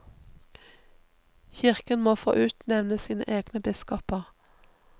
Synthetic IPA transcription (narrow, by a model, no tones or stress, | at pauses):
çɪʁkənmoːfo̰ːʔʉːt̪nɛʋnəsiːnə̰ʔeːɡnəbɪskɔpəʁ